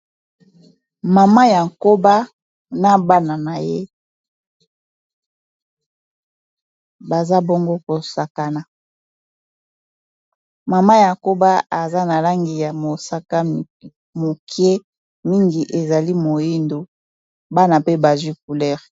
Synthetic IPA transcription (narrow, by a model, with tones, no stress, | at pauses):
ma˨ma˦ja˨ŋ˨ko˦ba˦ | na˦ba˦na˨na˨je˦ | ba˨za˦bo˦ŋɡo˦ko˨sa˨ka˨na˨ | ma˨ma˦ja˨ko˦ba˦a˨za˦na˨la˦ŋɡi˨ja˨mo˨sa˦ka˦ | mo˨kʰje˦ | mi˦ŋɡi˨ʔe˨za˨li˦mo˨ji˦ndo˨ | ba˦na˨pe˦ba˨zwi˦k̚u˨lɛ˦˨ʁ